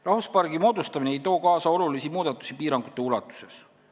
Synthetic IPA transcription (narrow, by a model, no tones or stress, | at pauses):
rɑhuspɑrɡ̥imo̞ːd̪ust̪ɑmineejt̪o̞ːkɑːsɑo̞lulisimuːd̪ɑt̪ːˑu̥sipiːɾɑŋɡ̥ut̪ːˑe̞ulɑt̪ːˑu̥se̞s